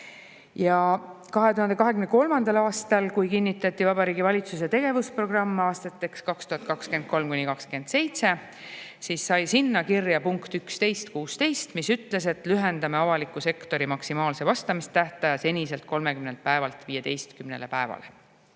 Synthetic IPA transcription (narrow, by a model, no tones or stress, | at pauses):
jɑkɑɦe̞t̪uhɑnd̪e̞kɑɦe̞kymneko̞lmɑnd̪ɑlɑːst̪ɑlkujkinʲːit̪ːˑɑt̪ːˑivɑbɑɾiːɡivɑlʲit̪sus̬e̞t̪e̞ɡe̞vuspro̞ɡ̥rɑmːɑːst̪ɑt̪ːˑe̞kskɑkst̪uhɑt̪kɑkske̞nd̪̥̚ko̞lmkunʲikɑkske̞nd̪̥se̞jt̪se̞ | siːsːɑjsinːɑkirjɑpuŋkt̪ykst̪e̞jst̪kuːst̪e̞jst̪misyt̪le̞s̬e̞t̪lyɦe̞nd̪ɑme̞ɑvɑlikːˑuse̞kt̪o̞ɾimɑksimɑːlse̞vɑst̪ɑmist̪æht̪ɑjɑse̞nʲise̞lt̪̚ko̞lme̞kymnelt̪̚pæevɑlt̪viːje̞t̪e̞jst̪kymne̞̰le̞pæevɑ̰lḛ